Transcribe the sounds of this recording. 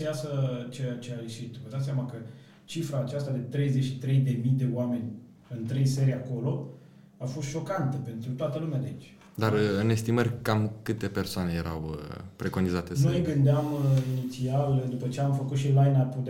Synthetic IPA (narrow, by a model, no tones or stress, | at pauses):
jasət͡ʃet͡ʃeajeʃit̪vəd̪at̪s̬ʲjamakə | t͡ʃifɾaːt͡ʃast̪ad̪e̞t̪ɾe̞jzeʃit̪ɾe̞jd̪e̞mid̪e̞oame̞nʲ | ɨnt̪ɾejse̞ɾiako̞lo̞ | afo̞st̪ʃo̞kant̪əpe̞nt̪ɾut̪oat̪əlumead̪eit͡ʃʲ | d̪aɾɨne̞st̪imərʲkamkɨt̪e̞pe̞rsoane̞jeɾʔa̰wəpɾe̞ko̞nizat̪enuneɡɨnd̪eaminit̪siald̪upət͡ʃeamfəkut̪ʃilajnaput̪